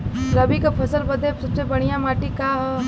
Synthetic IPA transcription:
ɾɐbikapʰɐsəlbɐd̪ebsɐbsebɐɽ̤̃ijãmaːʈikaɦ

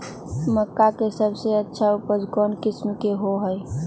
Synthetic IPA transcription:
məkːakesəbʱseətːʃʰaupəɾd͡ʒkɔnkɪsmkeɦoɦəj

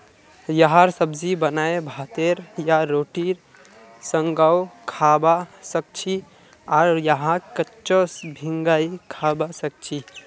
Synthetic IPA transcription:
jəɦãɾsəbd͡ʒibənaebʱat̪eɾjaɾoʈiɾ | səŋɡawkʰabasək̚t͡ʃʰi | aɾjəɦãkətːt͡ʃosbʱiŋɡaikʰabasək̚t͡ʃʰi

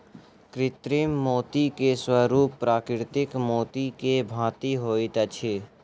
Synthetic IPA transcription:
kɾɪt̪ɾimːoːt̪ikeswəɾuːpːɾaːkɾɪɾt̪ɪkmoːt̪ikebʱãːt̪iɦoːit̪ɐt͡ʃʰe

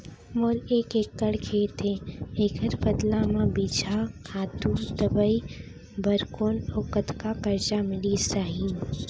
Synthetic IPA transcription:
moːleːkeːkːəɽkʰeːt̪ẽeːɡəɾbəd̪lamãbid͡ʒʱakʰaːt̪ud̪əbəi | bəɾkoːnoːkət̪kakəɾt͡ʃamɪlisaːɦĩ

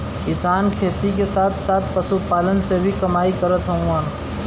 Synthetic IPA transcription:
kɪsaːnkʰeːt̪ikesaːt̪ʰsaːt̪̚ʰpəsupaːlənsebʱikəmaːikəɾət̪ɦə̃aːn

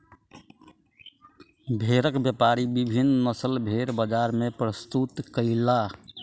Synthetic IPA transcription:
bʱeɾəkbjəpaɾibibʱinːnəsəlbʱeɾbəd͡ʒaɾmẽpɾəst̪ut̪kəɪla

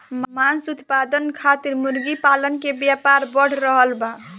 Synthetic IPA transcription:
mmansut̪pad̪ənkʰat̪iɾmuɾɡipalənkebjapaɾbəɽ̤ɾəɦəlba

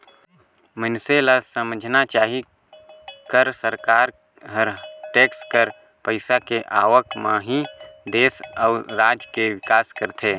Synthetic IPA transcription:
mənselasəməd͡ʒʱnat͡ʃaːɦi | kəɾsəɾkaːɾ | ɦəɾʈeːkskəɾ | pəɪsakeʔaːʋəkmãɦid̪eːsɔːɾɾaːd͡ʒkeʋɪkaːskəɾt̪ʰeː

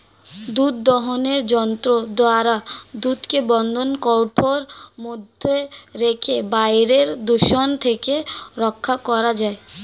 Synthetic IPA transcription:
d̪ud̪̚d̪ɔɦoneɾd͡ʑɔnt̪ɾod̪oaɾad̪ut̪kebɔnd̪ʱonkɔwʈʰoɾmod̪ʱːeɾekʰebajɾeɾd̪uʃont̪ʰekeɾɔkʰːakɔɾad͡ʑae

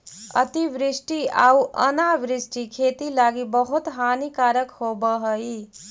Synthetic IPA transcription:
ə̰t̪iʋɾɪsʈiaːuʔə̰naʋɾɪsʈikʰeːt̪ilaːɡibəɦut̪ɦaːnikaːɾəkhobəɦəi

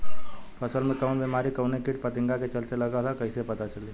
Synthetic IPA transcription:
pʰəsəlmẽkəʊnbemaːɾikəʊnekɪʈ̚pət̪ĩŋɡaket͡ʃəlt̪eləɡat̪akəɪsepət̪at͡ʃəli

